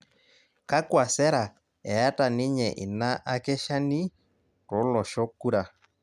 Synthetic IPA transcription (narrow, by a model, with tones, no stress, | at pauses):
ka˦kwa˨sɛ˦ɾa˨ | ɛ˨ja˦ta˨nɪ˦ɲɛ˨ʔɪ̰˨na˦ʔa˦kɛ˦ʃa˦ni˦ | tɔ˨˦lɔ˨ʃɔ˦kːu˦ɾa˨